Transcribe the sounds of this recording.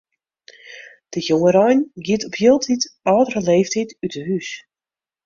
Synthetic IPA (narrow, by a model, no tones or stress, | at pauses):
d̥əjoŋəɾɔjnɡiətɔpʰjilˠtʰitɔːdərəleːftʰitytʰəhys